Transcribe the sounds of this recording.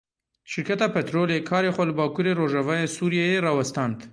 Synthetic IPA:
ʃɪɾkat̪apet̪ɾolekʰɑɾexoləbɑkuɾeɾoʒawajesuɾjejeɾɑwast̪ant̪

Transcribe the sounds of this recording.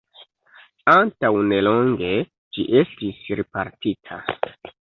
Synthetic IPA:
antawne̞lo̞ŋɡe̞ | d͡ʒiʔe̞stisɾipaɾtitʰa̰

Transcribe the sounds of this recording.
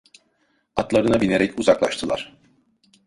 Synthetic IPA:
at̪lˠaɾɯnabine̞ɾɛcuzaklˠa̰ʃt̪ʰɯlˠa̰ɾ̥

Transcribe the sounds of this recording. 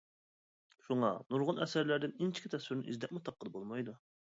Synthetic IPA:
ʃuŋɑnuɾʁʊnɛsæɾlæɾd̪ɪnɪnt͡ʃʰi̥kʲʰɪt̪ʰɛswɪɾnɪ̰ʔizd̪ɛk̚ʲmut̪ʰɑp̚qːəd̪bolˠmɑjd̪u

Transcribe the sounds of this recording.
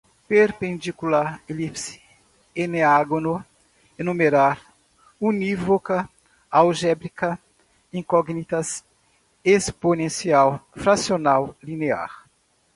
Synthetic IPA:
peɾpẽnd͡ʒ̪ikulaɾelipsi̥ | eneaɡonʊ | enũmeɾaɾ | univokɐ | awʒɛbɾikɐ | ĩŋkɔɡnit̪ɐs | esponẽsiawfɾasionawlinea̰ɾ

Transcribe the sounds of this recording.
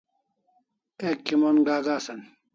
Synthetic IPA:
eːkːimonɡaːɡaːsɐn

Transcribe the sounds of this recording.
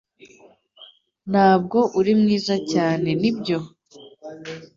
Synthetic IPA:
n̥haːb̚ɡo̞ʔuɾimŋiːzacaːne̞nibɟo̞

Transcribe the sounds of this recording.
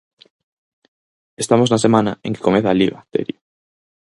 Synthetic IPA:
est̪amoznas̬emãnaẽŋke̥komeθaliβat̪ḛɾjo

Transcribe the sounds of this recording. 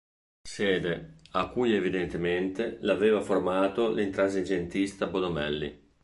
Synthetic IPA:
sɛːd̪eakːujevid̪ent̪ement̪elaveːvaformaːt̪olint̪ɾazed͡ʒent̪ist̪abod̪omɛ̰lːḭ

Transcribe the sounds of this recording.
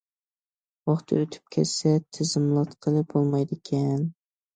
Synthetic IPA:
wɑχt̪ʰɨ̰øt̪ʰy̥p̚kʲʰɛ̰t͡ʃsɛt̪ʰɪzɪmlˠɑt̪qʰəlˠɨbolˠmɑjd̪ɪkʲʰɛn

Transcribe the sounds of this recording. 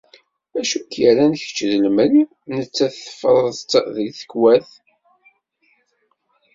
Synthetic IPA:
æʃukjəɾænçə̥t͡ʃːðəlmɾi | nət͡sːæθθə̥fɾˤðt̪ːðəlθə̥kːwæθ

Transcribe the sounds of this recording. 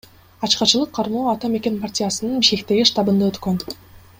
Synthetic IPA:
ɑt͡ʃqɑt͡ʃɯlˠɯqʰːɑɾmoːɑt̪ɑme̞kʲe̞npartʲijasɯnɯnbiʃke̞kt̪e̞ɡiʂt̪ɑbɯnd̪aøt̪køn

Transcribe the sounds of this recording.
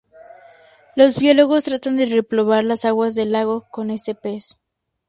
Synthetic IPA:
lo̞zβjo̞lo̞ɣost̪ɾat̪and̪e̞re̞plo̞βaɾlasaɣwazðe̞lːaɣo̞ko̞ne̞se̞pe̞so̥

